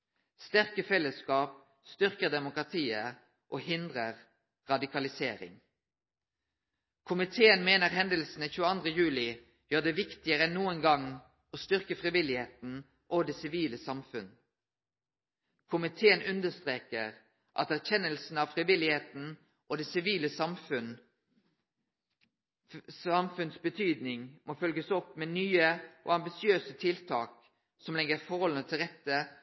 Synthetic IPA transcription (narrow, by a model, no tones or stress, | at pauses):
st̪æʁkəfɛlːəskɑːp̚ | st̪ʏʁkəʁd̪ɛmʊkʁɑt̪ʰiːə | ʔoːhɪnd̪ʁəʁ | ʁɑd̪ɪkɑlɪseːɾɪ̰ŋ | kʰʊmɪt̪ʰeːənmeːnəʁɦɛnd̪əlsn̩əçʉːəɑnd̪ʁəjʉːlɪ | jøːʁd̪ɛʋɪkt̪ɪəʁənuːənɡɑŋ | oːst̪ʏʁkəfʁɪʋɪlɪheːt̪n̩ | ʔoːd̪esɪʋiːləsɑmfʉn | kʰʊmɪt̪ʰeːənʉnd̪əst̪ʁeːkəʁ | ʔɑ̰t̪æʁçɛnːəlsn̩ɑʋfʁɪʋɪlɪheːt̪n̩ | ʔod̪ɛːsɪʋiːləsɑmfʉn | sɑmfʉnsbət̪ʰyːd̪nɪŋmʔoːfœlɡəsɔpːmenyːəʔo̰ːɑmbɪsɪøːsət̪ʰɪlt̪ʰɑ̰ːk | sɔmlɛɡəɾfɔɾhɔlnət̪ʰɪlʁɛt̪ːə